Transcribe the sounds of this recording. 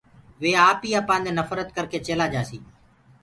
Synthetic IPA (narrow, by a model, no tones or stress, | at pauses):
ʋeːaːpiːaːpãːnd̪ẽːnəfɾət̪̚kəɾkʰeːt͡ʃeːlaːd͡ʒaːsḭː